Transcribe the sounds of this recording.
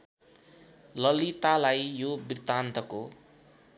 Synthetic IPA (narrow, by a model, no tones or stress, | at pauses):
lʌlit̪alajjobirt̪ant̪ʌko